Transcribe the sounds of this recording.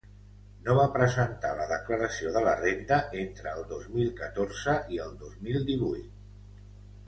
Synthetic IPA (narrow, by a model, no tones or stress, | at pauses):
noβapɾəzənt̪a̰ləðəkləɾəsioðələrend̪əʔent̪ɾəːlˠd̪ozmilˠkət̪oɾzəiəlˠd̪ozmilˠd̪iβujt̪̚